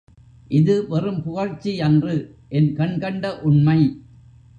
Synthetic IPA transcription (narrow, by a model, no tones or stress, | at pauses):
ʔɪðɯʋɐrɯmpʊɣɐɻt͡ʃːiɐndrɯʔɛnkɐɳkɐɳɖɐʔʊɳmɐɪ